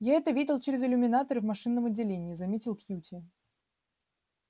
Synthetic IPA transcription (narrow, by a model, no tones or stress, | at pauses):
jaɛt̪əvʲidʲɪlˠt͡ɕeɾʲɪzɨlʲʊmʲɪnat̪əɾɨvmɐʂɨnːəmɐdʲːɪlʲenʲɪːzɐmʲetʲɪlˠkjutʲɪ